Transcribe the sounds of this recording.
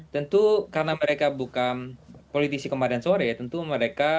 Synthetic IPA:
t̪ənt̪ukaɾənaməɾekabukanpolit̪isikəmadansoɾɛjat̪ənt̪uməɾeka

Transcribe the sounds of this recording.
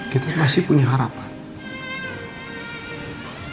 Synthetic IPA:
kit̪amasɪhpuɲaɦaɾap

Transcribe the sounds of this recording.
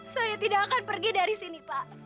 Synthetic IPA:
sajat̪idaʔːkanpərɡidaɾisinipaʔ

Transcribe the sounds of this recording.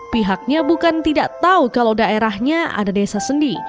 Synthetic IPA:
piɦak̚ɲabukant̪idaʔt̪aukalawdaeɾahɲaa̰dadesasəndii

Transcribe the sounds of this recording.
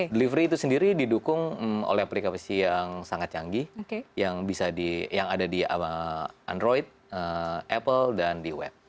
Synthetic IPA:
dəlivɾiːt̪usəndiɾididukʊŋmo̰lɛhplikapəsijaŋsaŋat̪̚t͡ʃaŋɡiokejaŋbisadijaŋadadiaaandɾoit̪̚əʔɛpəldandiwɛ̰p̚

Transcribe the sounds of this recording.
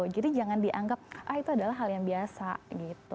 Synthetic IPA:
d͡ʒadid͡ʒaŋandiʔaŋɡap̚ʔahit̪uadalaɦːaljaŋbiasa̰ɡit̪u

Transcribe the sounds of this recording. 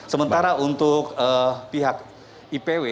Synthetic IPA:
səmənt̪aɾaʔunt̪ʊkəpiɦak̚ | ipewe

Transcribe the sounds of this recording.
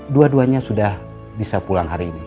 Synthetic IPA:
duaduaɲasudah | bisapulaŋɦaɾiːni

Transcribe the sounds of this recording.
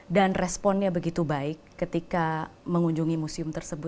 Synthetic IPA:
danrɛspɔnɲabəɡit̪ubaɪkːət̪ikaməŋuɲd͡ʒuŋimusiʊmt̪ərsəbʊ

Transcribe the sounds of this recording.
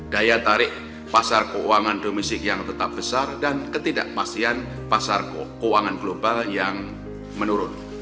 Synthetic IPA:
d̥ajat̪aɾɪʔ | pasarkəwaŋandomɛst̪ɪk̚jaŋt̪ət̪ap̚b̥əsardankət̪ida̰ʔmastian | pasarkəuaŋanɡlobaljaŋ | mənuɾʊn

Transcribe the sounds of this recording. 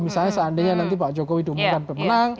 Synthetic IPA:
bisalɲasəandeɲanant̪ipaʔd͡ʒokowidṳmukanpɛmənaŋ

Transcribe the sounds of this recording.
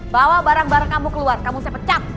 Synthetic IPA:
bawabaɾaŋbaɾaŋkamukəluarkamusaapət͡ʃat̪̚

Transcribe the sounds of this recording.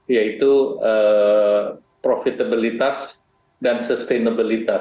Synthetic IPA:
jait̪uə | pɾofit̪abilit̪as | dansəst̪enabilit̪a

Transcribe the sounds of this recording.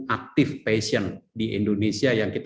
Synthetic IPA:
ak̚t̪ɪfpesiəndiʔḭndonesiajaŋkit̪

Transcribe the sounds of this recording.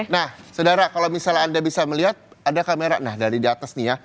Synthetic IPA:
nahsədaɾakalawmisalandabisaməliɦat̪̚adakameɾa̰ʔnahdaɾidiat̪asnija

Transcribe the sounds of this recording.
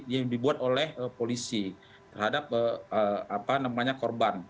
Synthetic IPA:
jaŋdibuat̪olɛhəpolisi | t̪ərhadap̚əəapanamaɲakorban

